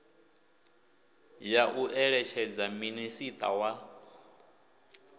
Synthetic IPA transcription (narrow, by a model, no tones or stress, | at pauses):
jaʔuʔɛɺɛt͡ʃʰɛd͡zaminisit̪ʼa̰wa